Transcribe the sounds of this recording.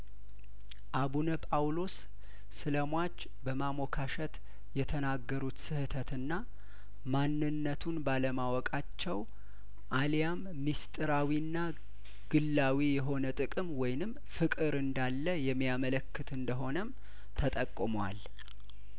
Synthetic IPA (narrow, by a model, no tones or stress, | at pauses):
ʔaβunəpʼawlo̞sː | ɨləmwat͡ʃː | bəmamokʰaʃɛt̪ | jɛt̪ʰənaɡːəɾut̪sɨhɨt̪ʰət̪ʰɨnːa | manːɨnːət̪ʰunbaləmawɔkʼat͡ʃːɛw | ʔaljamːist̪ʼɨɾawinːa | ɡ̥ɨlːawijɛɦo̞nət̪ʼɨkʼɨmwɔjnɨm | fɨkʼɨɾɨnd̪alːəjɛmːijamələkːɨt̪ɨnd̪əɦo̞nəm | t̪ʰət̪ʼəkʼːɨmwa̰l